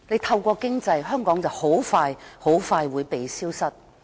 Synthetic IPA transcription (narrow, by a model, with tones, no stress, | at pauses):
ne˨˧jt̪ʰɐ˧wkʷɔː˧kɪ˥ŋt͡sɐ˧jɦœː˥ŋkɔː˨˥ŋt͡sɐ˨who˨˥wfaː˧jho˨˥wfaː˧jwuː˨˧jpe˨jsiː˥wsɐ˥t̚